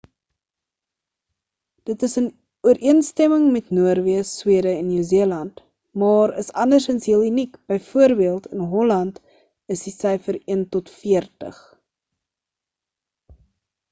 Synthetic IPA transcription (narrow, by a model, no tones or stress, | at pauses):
d̥ətəsən | uəɾʔiənstɛməŋmɛtnuərviəswiəɾəɛnːuwziəlɐnt | mɑːɾə̰sɐndərsənsɦiəlˠynikb̥əjfuərbiəlˠtʰənɦɔlɐnt | əsdisəjfəɾiəntɔtfiərtə̰χ